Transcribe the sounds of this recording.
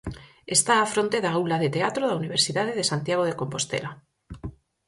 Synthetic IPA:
est̪aːfɾont̪e̞ðaulaðet̪eat̪ɾoðauniβ̞e̞ɾsiðaðeðesant̪jaɣ̞oð̞eko̞mpo̞st̪ḛla

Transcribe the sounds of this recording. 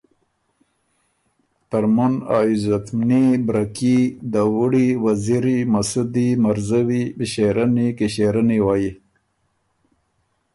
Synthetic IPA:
t̪aɾmuna̰juzat̪mnibɾakid̪awuɽiwaziɾimasud̪imaɾzawibɕeɾanikeɕeɾaniwaji

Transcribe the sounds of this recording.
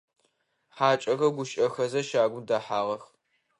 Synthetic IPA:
ħaːt͡ʃʼɐɣɐɡʷʊʃʼɐxɐzɐʃaːɡʷʊmdaːħaːʁɐx

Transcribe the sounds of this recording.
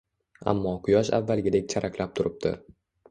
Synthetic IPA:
a̰mːɒqʰʊjɒʃa̰vːalˠɡʲɪd̪ek̚ʲt͡ʃʰaɾʔakʲlap̚t̪ʰʊɾʔɪp̚t̪ɪ̰

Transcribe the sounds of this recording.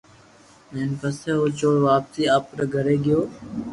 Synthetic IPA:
meːnkəseːɦoːt͡ʃoːɽʋaːpsiːaːp̚ːɾaɡʱəɾeːɡɪjoː

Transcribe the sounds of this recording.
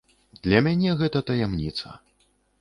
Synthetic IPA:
d̪lʲɐmʲanʲɛɣɛt̪ɐt̪ɐjɛmnʲit̪sɐ̰

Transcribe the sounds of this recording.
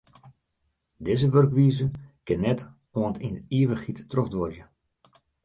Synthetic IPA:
dɪzəʋørkʋiːzəkɪnːɛt | oəntiniəʋəxitːroxdʋɔrjə

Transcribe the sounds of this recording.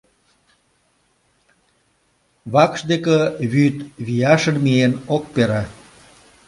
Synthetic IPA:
βɑkʃd̪ekeβyt̪βijɑʃənmienok̚peɾɑ

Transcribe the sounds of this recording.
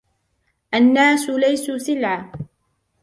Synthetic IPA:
ʔanːaːsʊlajsuːsɪlʕa

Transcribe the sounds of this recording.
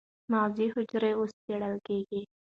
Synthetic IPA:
maːziːɦʊd͡ʒɾeʊst͡ʃeɽəlkeɡeː

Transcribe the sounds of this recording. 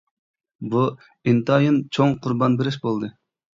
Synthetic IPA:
bu | int̪ɑjɨnt͡ʃʰoŋqʰʊɾbɑnbɪɾɪʃbolˠd̪ɨ

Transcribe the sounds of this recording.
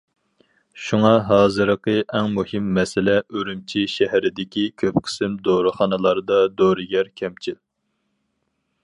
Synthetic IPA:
ʃuŋɑɦɑːzɨɾəqəʔɛŋmuhɪmːɛsɪlɛʔøɾymt͡ʃʰiʃɛɦɛɾɪd̪ɪkʲikʲʰøpqʰə̥sɪmd̪oɾɨχɑnɨlˠɑɾd̪ɑd̪oɾɨɡʲɛɾkʲʰɛmt͡ʃʰil

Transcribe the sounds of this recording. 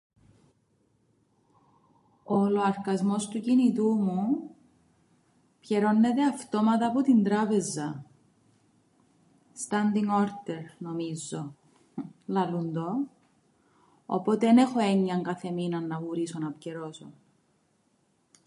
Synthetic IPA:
oloɐɾkɐzmo̞st̪ucinit̪umu | pçeɾo̞nːe̞t̪e̞ɐft̪o̞mɐt̪ɐːpot̪ind̪ɾɐpe̞zɐ | st̪ɐnd̪iŋo̞ɾt̪eɾno̞mizːo | lɐlund̪o̞ | o̰po̞t̪eenexo̞eɲːɐŋkɐθe̞minɐnːɐɣuɾisonɐpceɾo̞so̰

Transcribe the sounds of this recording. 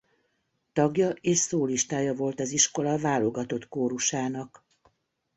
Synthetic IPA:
t̪ɒɡjɒʔeːʃsoːliʃt̪aːjɒvo̞lt̪ɒziʃko̞lɒvaːlo̞ɡɒt̪o̞t̪koːɾuʃaːnɒk

